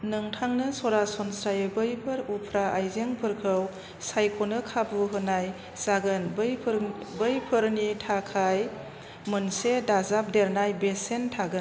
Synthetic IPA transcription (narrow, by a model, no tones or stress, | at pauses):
nɯŋtʰaŋnɯsɔɾasɔnsɾajɯbɯjpʰɯɾupʰɾaʔajzeŋpʰɯɾkʰɯw | sajkʰɔnɯkʰabuɦɯnaj | saɡɯnbjpʰɾbəjpʰɯɾnitʰakʰaj | mɯnsedazap̚deɾnajbesentʰaɡɯn